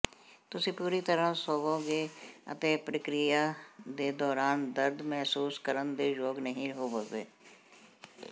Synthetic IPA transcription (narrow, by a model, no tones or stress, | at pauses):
t̪ʊsĩːpuːɾiːt̪əɾãːsoːʋoːɡeːə̰t̪eːpɾəkɾɪjaːd̪eːd̪ɔːɾaːnd̪əɾd̪mɛɦsuːskəɾənd̪eːd͡ʒoːɡnəɦĩɦoːʋoːʋḛː